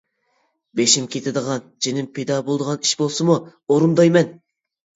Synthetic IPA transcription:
beʃimkʲet̪ʰɪd̪əʁɑnd͡ʒenɪmpʰed̪ɑbolˠd̪əʁɑni̥ʃbolˠsɨmuoɾund̪ɑjmɛn

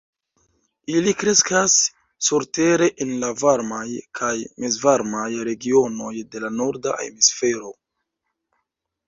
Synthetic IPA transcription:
ilikɾe̞skasː | uɾte̞ɾe̞ʔenlavaɾmajkʰajmizvaɾmajɾe̞ɡio̞no̞jde̞lano̞ɾda̰ʔḛmisfe̞ɾo̞

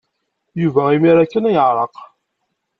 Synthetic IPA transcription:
juvæimiɾækːənæjəʕɾˤəq

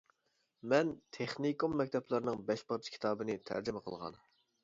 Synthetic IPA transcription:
mɛnt̪ʰeχnikumːɛk̚ʲt̪ʰɛplˠɨɾnɨŋbɛʃbɑɾt͡ʃʰkʲʰi̥t̪ʰɑːbɨnɪt̪ʰæ̰ɾd͡ʒɪmɛqʰə̰lˠʁɑ̰n

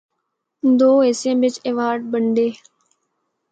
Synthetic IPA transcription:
d̪oːeːsẽːbɪt͡ʃeːʋaːɾɖ̚bəɳɖeː

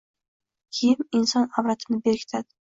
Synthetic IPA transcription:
kʲʰijɪminsɑnɑbɾat̪ʰɨnɪbeɾkʰʲɪ̥t̪ʰad̪ɪ̥

